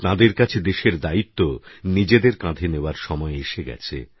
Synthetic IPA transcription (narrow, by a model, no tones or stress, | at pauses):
t̪ãd̪eɾkat͡ɕʰed̪eʃeɾd̪ait̪ːonid͡ʑed̪eɾkãd̪ʱeneoaɾʃɔmɔeeʃeɡɛ̰t͡ɕʰḛ